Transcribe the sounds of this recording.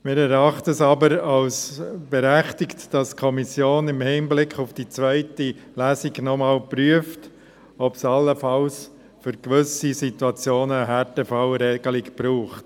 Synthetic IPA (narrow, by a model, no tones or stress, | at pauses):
mɪːɾɛɾɑχtəsɑbəɾɑlsb̥ɛɾæχtɪktd̥ɑskʰɔmisjoːnɪmhɪːnblɪkχʊfd̥it͡sʋœɪtilæːsiɡnɔmɑːlpɾyəft | ɔpsɑlːəfɑls | fʏɾkʋʏsisituɑt͡sjoːnəɦætəfɑwɾɛɡ̥əlikpɾuːχt